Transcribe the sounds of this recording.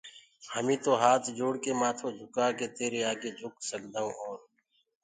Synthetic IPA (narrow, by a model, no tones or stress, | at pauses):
həmĩːt̪oːɦaːt̪ʰd͡ʒoːɽkeːmaːt̪ʰõːd͡ʒʱʊkaːkeːt̪eːɾeːaːɡeːd͡ʒʱʊksəkd̪aːõːʔɔːɾ